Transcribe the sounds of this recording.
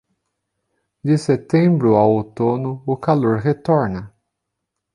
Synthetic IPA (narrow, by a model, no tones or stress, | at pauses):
d̪ɪset̪ẽbɾʊawot̪onʊʊkaloɾɦet̪ɔɾnɐ